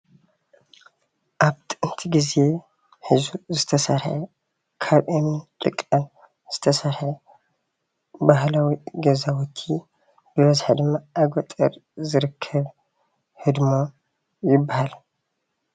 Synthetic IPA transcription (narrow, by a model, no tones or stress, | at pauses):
ʔaβt̪ʰʼɨʔɨnt̪ʰiɡize̞ | ħɨzuzɨt̪ʰɐsɐɾħɐ̰ | kʰaβʔemint̪ʼɨkʼːan | z̥ɨt̪ʰɐsɐɾħɐ | bahlawiɡɐzawɔt̪ʰi | b̥ɨβɐzħid̪ɨmːaʔːɡʷɔt̪ʼɐɾzɨɾɨkʰːɐβ | hɨd̪mo | jɪbːahal